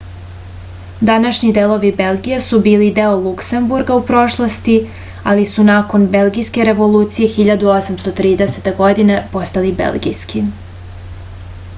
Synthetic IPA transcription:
d̪anaʃɲid̪elˠo̞ʋibe̞lˠɡʲijesubiːlid̪e̞olˠukse̞mbuɾɡaupɾo̞ʃlˠost̪i | alisunako̞nbe̞lˠɡijske̞ɾe̞ʋo̞luːt̪sije̞xiʎad̪uo̞samst̪o̞t̪ɾiːd̪eset̪eɡo̞d̪inepo̞st̪alibe̞̰lˠɡḭjski

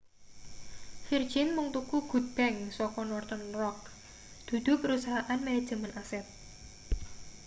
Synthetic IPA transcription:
hird̥ʒ̥ɪnmuŋt̪ukuɡ̥ṳt̪̚b̥ɛŋsɔkɔnɔrt̪ənrɔk̚ | d̪̥ṳd̪̥ṳpəɾusaɦaʔanmaɛd̥ʒ̥ə̤mənʔasɛt̪̚

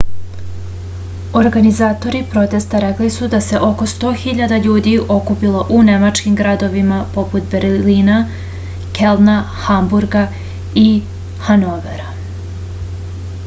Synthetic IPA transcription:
o̞ɾɡanizaːt̪o̞ɾipɾo̞t̪e̞st̪aɾeklisud̪ase̞ʔo̞ko̞st̪o̞ːxiʎad̪aʎuːd̪io̞kupilˠoʔune̞mat͡ʃkimɡɾad̪o̞ʋimapo̞put̪be̞ɾliːna | ke̞lna | xambuɾɡa | i | hanoʋeɾa

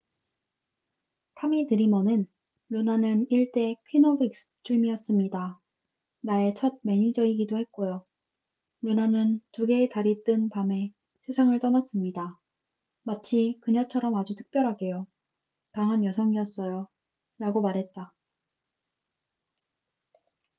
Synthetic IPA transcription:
tʰamitɯɾimʌnɯn | ɾonanɯniɭt͈e̞kʰinobik̚s͈ɯ̥t͈ʰɯɭmiʌs͈ɯmɲida | nae̞t͡ɕʰʌd̚me̞ɲid͡ʑʌiɡidohe̞t̚k͈ojo | ɾonanɯntuɡe̞taɾit͈ɯnpame̞ | sʰe̞sʰaŋɯɭt͈ʌnas͈ɯmɲida | mat͡ɕʰikɯɲʌt͡ɕʰʌɾʌmad͡ʑutʰɯ̥k̚p͈jʌɾɦaɡe̞jo | taŋɦanjʌsʰʌŋiʌs͈ʌjo | ɾaɡomaɾɦe̞t̚t͈a

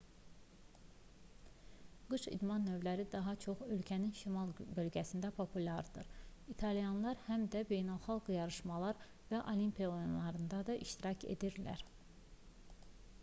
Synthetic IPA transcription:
ɡ̥ɯʃḭd̪mɑnːø̞vlæɾid̪ɑɦɑt͡ʃʰo̞χølcʰæninʃimɑlˠbø̞lɟæsind̪æpʰopʰulʲɑɾd̪ɯɾit̪ʰɑlijɑnlˠɑɾhæmd̪æbe̞jnælˠχɑlˠɡɯjɑɾɯʃmɑlˠɑɾ | væʔolimpʰionlˠɑɾɯnd̪ɑd̪ɑʔiʃt̪iɾɑcʰḛd̪iɾlæ̰ɾ

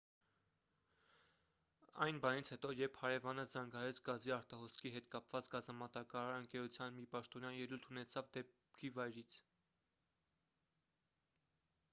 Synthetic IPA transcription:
ɑ̰jnbɑnit͡sʰhɛt̪ɔjɛɾpʰhɑɾɛvɑnəzɑŋɡɑɾɛt͡sʰɡɑziɑɾt̪ɑɦɔskʰiɦɛt̪kɑpvɑt͡sɡɑzɑmɑt̪ɑkɑɾɑɾəŋkɛɾut͡sʰjɑnmipɑʃt̪ɔnjɑnjɛlult̪ʰunɛt͡sʰɑvd̪ɛp | kʰivɑjɾit͡sʰ

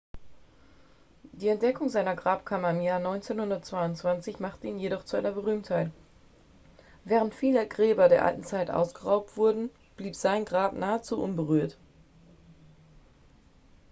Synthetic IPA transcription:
d̥iːɛnt̚d̥ɛkʰʊŋzaɪnɐɡʁaːpkʰamɐɪmjaːɐnɔʏnt͡seːnhʊndɐtt͡sv̥aɪʊntt͡sv̥ant͡sɪçmaχtəiːnjeɾɔχt͡suʔa̰ɪnɐbəʁyːmthaɪt | vɛːʁəntfiːləɡʁɛːbɐdeːɐʔa̰ltn̩t͡saɪtʔa̰ʊsɡ̥əʁaʊp̚tv̥ʊɐdn̩ | b̥liːpz̥aɪnɡʁaːpnʔaːət͡suːʔʊnbəʁyːɐt

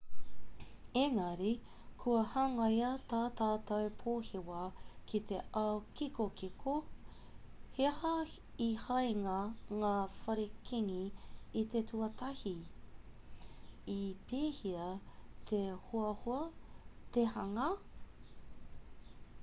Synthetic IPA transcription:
eŋɐɾi | kʰuɐhɐŋɐjɐt̪aːt̪aːt̪ɐwpʰoːhewɐkʰit̪eʔɐwkikokikʰo | hehɐ | ihɐjŋɐŋaːfɐɾikʰiŋiːt̪etʰuɐtʰɐhi | ipʰeːhiɐt̪ʰehoɐhoɐt̪ehɐŋɐ

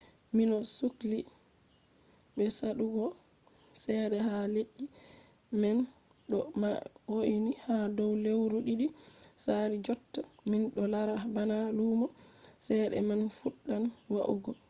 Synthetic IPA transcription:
minɔsukli | ɓɛsaɗuɡɔ | sɛɗɛhaleʔːi | mɛn | ɗɔmawoʔnihadɔwlewɾuɗiɗisaɾid͡ʒɔtːaminɗɔlaɾabanalumɔsɛɗɛ̰manfuɗːanwaʔṵɡɔ

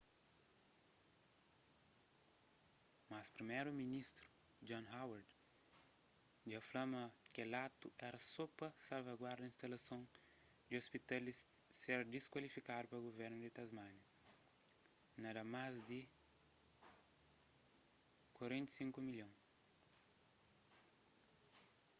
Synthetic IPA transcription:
maspɾimeɾuminist̪ɾu̥ | d͡ʒõnhawaɾd̪ | d̪iaflɐ̃mɐkelat̪uʔɛɾɐsopɐsalvɐɡwaɾd̪ɐĩst̪alɐsõn | d̪ɪospit̪alisːeɾd̪iskwalifikad̪upɾɐɡoveɾnʊd̪ɪt̪azmãnjɐ | nɐd̪ɐmazd̪ɪ | kwaɾẽnt̪i̥sĩŋkumiljõ

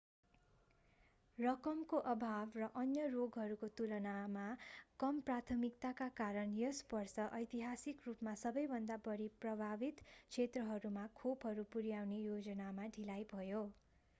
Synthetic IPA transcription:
rʌkʌmkoʔʌbʱabrʌʔʌnjʌroɡɦʌɾukot̪ulʌnamakʌmprat̪ʰʌmikt̪akakaɾʌnjʌspʌrsʌʔʌjt̪iɦasikrupmasʌbʌjbʱʌnd̪abʌɾiprʌbʱabit̪t͡sʰet̪rʌɦʌɾumakʰobɦʌɾupuɾjawnejod͡zʌnamaɖʱilajbʱʌjo

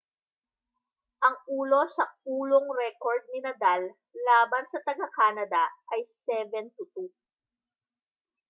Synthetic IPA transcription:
ʔɐŋʔuːlo̞sɐuːloŋɾɛkoɹd̪̚nɪnɐd̪alː | aːbɐnsɐt̪ɐɡɐkaːnɐd̪ɐʔɐjsɛvɛnt̪ʊt̪u

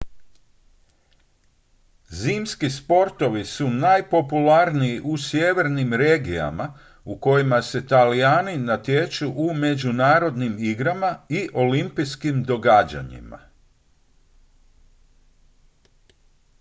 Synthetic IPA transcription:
ziːmskispo̞ɾt̪o̞ʋisunajpo̞pulaɾniiʔusjeʋe̞ɾnimɾe̞ːɡija̰ma | uko̞jimase̞t̪alijaːninat̪je̞t͡ʃuʔume̞d͡ʑunaːɾo̞d̪nimiɡɾamaiʔo̞limpiskimd̪o̞ɡaːd͡ʑa̰ɲḭma̰

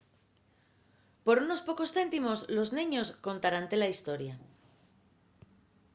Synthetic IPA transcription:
po̞ɾuno̞spo̞ko̞sθe̞nt̪imo̞zlo̞znĩɲo̞sko̞nt̪aɾant̪elaist̪o̞ɾja

